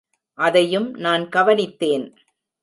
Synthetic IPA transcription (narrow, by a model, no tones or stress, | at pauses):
ʔɐðɐjɯmnaːnkɐʋɐnɪt̪ːeːn